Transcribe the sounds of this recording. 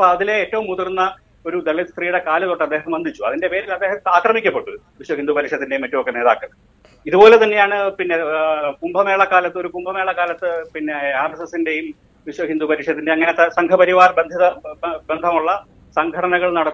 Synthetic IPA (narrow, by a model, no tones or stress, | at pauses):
ɐpːoɐðile̞eːtːɐʋumːuðuɾunːɐ | oɾud̪eɭist̪riːjuɽe̞kaːlɐt̪oʈːeɐd̪ːeːɦɐmbɐnd̪ʱit͡ɕːuɐ̰ðinde̞pe̞ːɾilɐd̪ːe̞ːɦɐaːkrɐmikʲːɐpːeʈːu | ʋiɕwɐɦind̪upɐɾikʂɐt̪ːinde̞jumːɐtːuʋokːɐene̞ːða̰ːkːɐɭ | iðubo̞ːlet̪ɐnːe̞jaːɳɨpinːe̞kumbʱɐme̞ːɭɐkaːlɐt̪ːɨo̞ɾukumbʱɐme̞ːɭɐkaːlɐt̪ːɨpinːeaːrɐsesinde̞jum | ʋiɕwɐɦind̪upɐɾikʂɐt̪ːindeɐŋːɐne̞t̪ɐsɐŋkʰɐpɐɾiʋaːrbend̪ʱiðɐbend̪ʱɐmuɭːɐ | sɐŋɡʱɐɽɐnɐɣɐɭnɐɽɐt̪ː